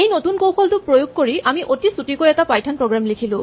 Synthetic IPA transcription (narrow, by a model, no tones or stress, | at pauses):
ejnotunkowxɔltʊpɹojuɡ̚koɹiamiʔotisutikojɛtapajtʰanpɹoɡɹamlikʰilʊ̃